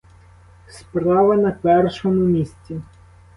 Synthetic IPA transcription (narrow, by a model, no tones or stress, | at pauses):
spɾɑʋɐnɐpɛrʃɔmʊmʲisʲt͡sʲi